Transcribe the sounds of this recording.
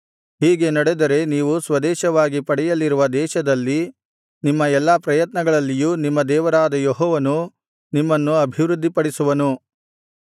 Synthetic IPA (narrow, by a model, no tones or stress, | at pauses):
ɦiːɡe̞nɐɽed̪ɐɾe̞niːʋusʋɐd̪ɛːʃɐʋaːɡipɐɽɛjɐlːiɾuʋɐd̪ɛːʃɐd̪ɐlːi | nimːɐɛlːɐpɾɐjɐt̪nɐɡɐɭɐlːijuːnimːɐd̪ɛːʋɐɾaːd̪ɐjoɦɔːʋɐnu | nimːɐnːuɐbʱiʋɾud̪ːipɐɽisuʋɐnu